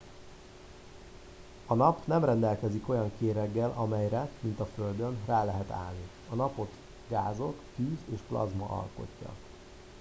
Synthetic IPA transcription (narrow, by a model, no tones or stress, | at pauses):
ɒnɒpnɛmrɛnd̪ɛlkɛziko̞jɒŋkeːɾɛɡːɛlʔɒmɛjɾɛmint̪ɒføld̪ø̞nraːlɛɦɛt̪a̰ːlni | ɒnɒpo̞t̪ | ɡaːzo̞kfyːzeːʃplɒ̰zmɒ̰ʔɒ̰lko̞̰cːɒ̰